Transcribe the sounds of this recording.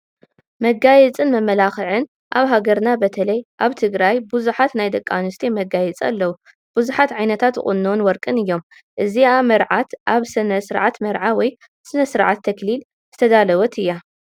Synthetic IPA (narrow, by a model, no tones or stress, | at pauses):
mɐɡajɛt͡sʼɨnmɐmɐlaxɨʕɨn | ʔaβɦaɡɐɾnabɐt̪ʰɐlɐjʔaβt̪ʰɨɡɾajbuzuħat̪najd̪ɐkʼːanust̪ʰimɐɡajɛt͡sʼa̰lːɐwu | b̥uzuħat̪ʕajnɐt̪ʰat̪ɨχʼṵnːonwɔɾkʼɨnɨjːo̞m | ʔɨziamɐɾʕat̪ʔaβsɨnɐsɨɾʕat̪mɐɾʕawɔj | sɨnɐsɨɾʕat̪ʰːɐklil | zɨ̥t̪ʰɐd̪alɐwɐt̪ʰɨjːa